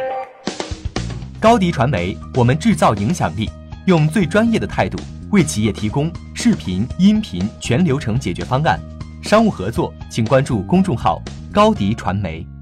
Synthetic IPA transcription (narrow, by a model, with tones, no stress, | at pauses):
kɑ˥ʊt̪i˧˥ʈ͡ʂʰwa˧˥nme˧˥ɪwɔ˨˩mə˦nʈ͡ʂɻ̩˥˧t͡sɑ˥˩ʊi˧˥ŋɕjɑ˨˩ŋli˥˩ | jʊ˥˧ŋt͡swe˥˩ɪʈ͡ʂwa˥njɛ˥˩d̪ə˩t̪ʰa˥˧ɪt̪ṵ˥˩we˥˩ɪt͡ɕʰi˨˥jɛ˥˨˩t̪ʰi˧˥kʊ˥ŋ | ʂɻ̩˥˩pʰi˧˥ni˥npʰi˧˥nt͡ɕʰɥɛ˧˥nljo˧˥ʊʈ͡ʂʰɤ˧˥ŋt͡ɕjɛ˨˩t͡ɕɥɛ˧˥fɑ˥ŋa̰˥˩n | ʂɑ˥ŋu˥˩xɤ˧˥t͡swɔ˥˩t͡ɕʰi˨˩ŋkwa˥nʈ͡ʂu˥˩kʊ˥ŋʈ͡ʂʊ˥˧ŋxɑ̰˥˩ʊ | kɑ˥ʊt̪i˧˥ʈ͡ʂʰwa̰˧˥nme˧˥ɪ